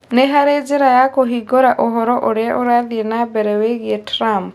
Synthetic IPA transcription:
neɦaɾed͡ʒeɾajakoɦiɡɔɾaʔɔɦɔɾɔʔɔɽɛʔɔɾad̪ienabɛɾɛweɡieʈʰɾam

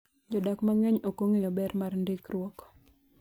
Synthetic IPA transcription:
d͡ʒɔdakmaŋɛɲokoŋejɔbɛɾmarndɪkrwɔkɔ̥

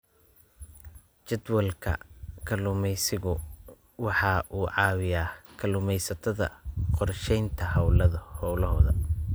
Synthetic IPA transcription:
t͡ʃɛd̪wɐlkʰɐ̰kʰɐlʊmɛjsɪɣʊ | wɑħɑʔuːʕɑːwɪjaːkʰɐlʊmɛjsɐt̪ʰɐðɐ̰qɔrʃɛjnt̪ʰɐhɐwlɐðɐhɔwlɐɦɔːðɐ̰

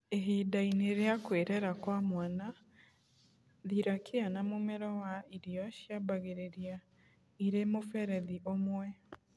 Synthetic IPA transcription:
eɦiːdaineɾeakweɾɛɾakwamwana | ðiɾakianamomeɾɔwaiɾijɔʃjabaɣeɾeɾia | iɾemofɛɾɛðiʔomwɛ

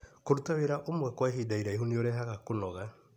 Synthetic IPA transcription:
koɾutaweɾaʔomwɛkwaɦidaiɾaiɦonioɾɛɦaɣakonɔɣa

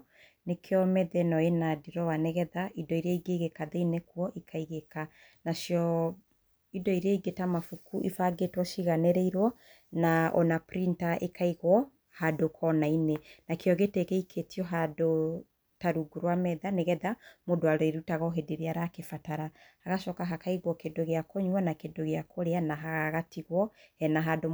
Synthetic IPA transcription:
nekʰeɔmɛðɛnɔenadiɾɔwanɛɣɛðaʔidɔiɾeaiɡeɣekaðeinekwɔʔikʰaiɣeka | naʃjɔ | idɔiɾeaiɡetamafukuʔifaɡetwɔʃiɣanɛɾeiɾwɔ | naʔɔ̰napɾintaʔḛkʰaiɣwɔ | hadokʰɔnainenakeɔɣetekeikʰetʰiɔɦado | taɾuɡuɾowamɛðaneɣɛðamodowaɾɔeɾutaɣɔɦedeɾeaɾakefataɾa | aɣaʃɔkaɦakaiɣwɔkedoɣeakoɲwanakedoɣeakʰoɾeanaɦaɣaɣatiɣwɔɛnaɦado

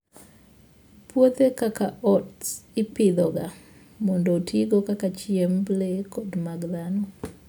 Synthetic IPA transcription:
pwot̪ekakaʔɔtsipid̪ɔɡa | mondotʰiɡokakat͡ʃiemblekodmaɡðano

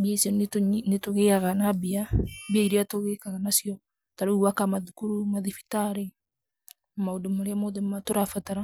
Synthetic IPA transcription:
biasɔɲnetoɣeaɣanabiabiaiɾeatoɣekaɣanasijɔ | taɾouakamaðukuɾumaðifi̥taɾe | maodomaɾeamoðematoɾafataɾa

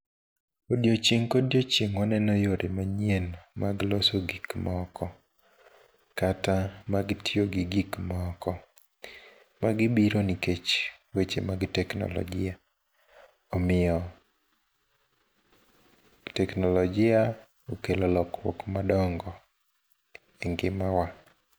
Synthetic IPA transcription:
odjot͡ʃeŋkodjot͡ʃjeŋɔnɛnɔjoɾʔemaɲenmaɡlosoɡikmɔɔkɔ | katamaɡɪtʰɪoɡɪɡikmkɔ | maɡɪbiɾoniket͡ʃwet͡ʃḛmaɡtɛknɔ̰lɔ̰ɡɪa | ɔmɪɔ | tɛknɔlɔd͡ʒɪa | okelɔlɔkwɔ̰kmadɔŋɡɔ | eŋɡɪmawa

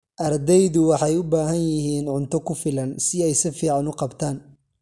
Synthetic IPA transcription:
ʔɐrd̪ɛjðʊwɑħɑjʊbaːɦɐnjɪɦiːnʕʊnt̪ʰɔkʰʊfɪlɐnsɪɛjsɪfiːʕɑnʊqɑbt̪ʰaːn

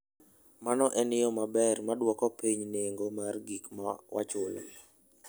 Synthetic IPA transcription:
manɔʔɛnɪjɔmabɛrmadwɔkɔpiɲneŋɡomarɡikmawa̰t͡ʃʊl̰l

